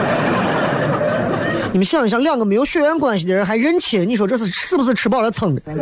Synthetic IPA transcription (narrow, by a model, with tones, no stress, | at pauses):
ni˨˩mə˦nɕi˥˧˨ɕjɑ˥˧ŋljɑ˥˩ŋɡə˩me˧˥ɪjʊɕɥɛ˥˩ɥɛ˥nkwa˥˩nɕ̬i˩d̪ə˩ɻə˧˥nxa˧˥ɪɻə˥nt͡ɕʰɛ˨˩˥ni˧˩ʂ̬wɔ˥ʈ͡ʂɤ˥˧ʂ̬ɻ̩˥˩ʂɻ̩˥˩bu˧˩ʂ̬̩˥˩ʈ͡ʂʰɻ̩˧˥p̬ɑ˥˩ʊlə˦t͡sʰɤ˨˧˩ŋd̪